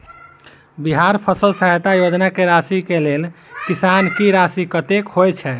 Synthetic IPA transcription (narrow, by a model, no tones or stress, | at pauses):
biɦaɾpʰəsəlsəɦəjt̪ajod͡ʒnakeɾasikelel | kisankiɾasikət̪ekɦojt͡ʃʰɛ